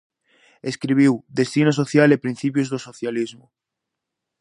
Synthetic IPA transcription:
eskɾiβ̞iwd̪est̪inasoθjalepɾin̟θipjozðosoθjalizmʊ

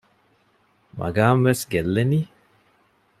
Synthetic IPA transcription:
ma̰ɡaːmʋesɡelːeni

